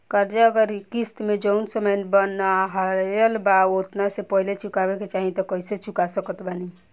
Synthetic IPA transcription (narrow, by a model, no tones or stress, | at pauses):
kəɾd͡ʒaəɡəɾikisʈmed͡ʒənsəməjnbənːaɦəjəlbaot̪nasepəɦilet͡ʃukabeket͡ʃaɦit̪ɔkəiset͡ʃukasəkət̪bani